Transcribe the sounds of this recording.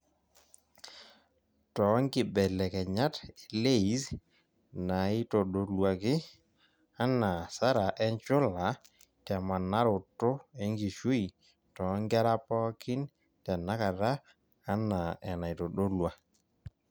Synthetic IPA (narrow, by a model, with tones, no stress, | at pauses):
tɔ˨˦ŋɡɪ˨bɛ˨lɛ˨kɛ˨ɲa˦te˨le˦i˨˦s | na˨ɪ˦to˨ɗo˦lwa˨kɪ˦ | a˦na˨sa˦ɾa˨ʔɛ˦ɲt͡ʃʊ˦la˨˦ | tɛ˨ma˨na˦ɾʊ˨tːʊ˦ɛ˦ŋɡi˨ʃu˦i˨ | tɔ˨˦ŋɡɛ˦ɾa˦pɔ˦kɪ˦n | tɛ˨na˦ka˨ɾaː˦ | na˨ɛ˨na˨i˨tɔ˨ɗo˦lwa˨